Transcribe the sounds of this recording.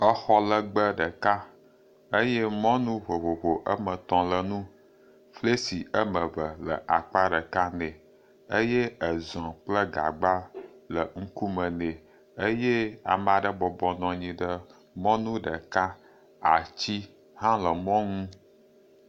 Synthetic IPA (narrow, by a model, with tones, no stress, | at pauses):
ə˦xɔ˦lə˨ɡ͡bə˦ɖə˨ka˦ | ə˦je˦mɔ̃˦nũ˦βo˨βo˨βo˨ʔə˦mə̃˨t̪ɔ̃˨lə˨nũ˦ | fle˦si˨ə˦mə˨və˨lə̰˨ʔa˨k͡pa˦ɖə˨ka˦nɛ̃˨ | ə˦je˦ə˨zɔ̃˨k͡plə˦ɡa̰˨ɡ͡ba˦lə˨ŋ̩˦ku˦mə˨ne˨ | ə˦je˦a̰˨m˦˨a˨ɖə˦bɔ˨bɔ˨nɔ̃˨ɲĩ˨ɖə˦ | mɔ̃˦nũ˦ɖə˨ka˦ | a˨t͡ɕi˦ | hã˦lə˨mɔ̃˦ŋũ˦